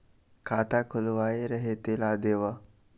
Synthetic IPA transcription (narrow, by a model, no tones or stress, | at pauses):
kʰat̪akʰulʋaeɾəɦet̪elad̪eʋa